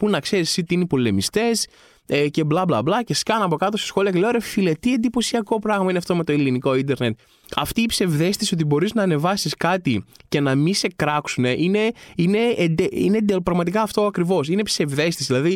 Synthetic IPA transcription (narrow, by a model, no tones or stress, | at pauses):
punɐkse̞ɾissit̪iineipo̞le̞mist̪e̞s | ece̞blɐblɐblɐce̞skɐnɐpo̞kɐt̪ose̥sxo̞liɐkeleoɾefile̞t̪iend̪ipo̞siɐko̞pɾɐɣmɐineɐft̪o̞me̞t̪o̞iliniko̞ind̪e̞ɾne̞t̪ | ɐft̪iːpse̞vðe̞st̪isio̞t̪ibo̞ɾiznɐːne̞vɐsiskɐt̪ice̞nɐmise̞kɾɐksune̞ʔine̞ine̞d̪eine̞d̪epɾɐɣmɐt̪̬ikɐːft̪o̞ɐkɾivo̞sine̞pse̞vðe̞st̪isðilɐði